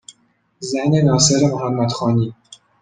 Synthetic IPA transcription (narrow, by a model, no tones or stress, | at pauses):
zæne̞nɒːse̞ɾemohæmːæd̪̥xɒːniː